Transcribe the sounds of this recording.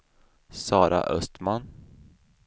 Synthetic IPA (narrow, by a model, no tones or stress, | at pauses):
sɑːɾa̰ʔœst̪man